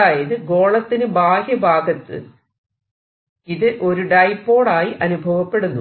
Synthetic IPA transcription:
aːjɐðɨɡo̞ːɭɐt̪ːinɨbaːhjɐbʱaːɡʱɐt̪ːɨ̰ | iðɨʔo̞ɾuɖɐjpːo̞ːɽaːjiʔɐnubʱɐʋɐpːe̞ɽunːu

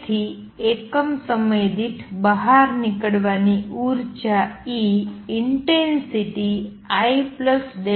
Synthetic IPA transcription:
t̪ʰi | ekəmsəməjd̪it̪ʰbəɦaɾnikəɽʋaniʔuɾt͡ʃaiiɳʈensiʈi | aipləsd̪e

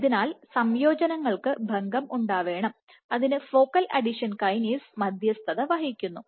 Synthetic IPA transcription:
ðinaːlsɐmjo̞ːd͡ʑɐnɐŋːɐɭkɨbʱɐŋɡɐmuɳɖaːʋe̞ːɳɐm | ɐðinɨfo̞ːkɐlʔɐ̰ɖiʂɐnkɐjniːsmɐd̪ʱjɐst̪ʰɐðɐʋɐɦikʲːunːu

